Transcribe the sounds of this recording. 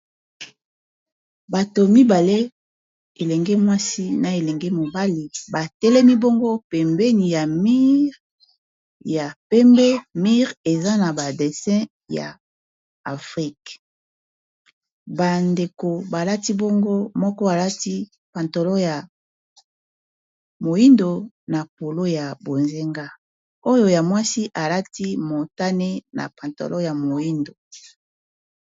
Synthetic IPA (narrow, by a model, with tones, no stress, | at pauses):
ba˨to˨mi˦ba˨le˦ | e˨lɛ˨ŋɡe˦mwa˦si˦na˨e˨lɛ˨ŋɡe˦mo˨ba˦li˨ba˨tɛ˦lɛ˦mi˦bo˦ŋɡo˦pɛ˨mbɛ˦ni˨ja˨mi˦ʁ | ja˨pɛ˦mbɛ˦mi˦ʁe˨za˦na˨ba˨de˨sɛ̃˦ | ja̰ː˨ | fʁi˦k | ba˨nde˨ko˨ba˨la˦ti˦bo˦ŋɡo˦mɔ˦kɔ˦a˨la˦ti˦ | pã˨nto˨lɔ˦ja˨ | mo˨i˦ndo˨ | na˨po˨lo˦ja˨bo˨nze˦ŋɡa˦ | o˦jo˦˨ja˨mwa˦si˦ʔa˨la˦ti˦mo˨ta˦ne˦na̰˨pã˨nto̰˨lʔɔ˦ja˨mo˨ji˦ndo˨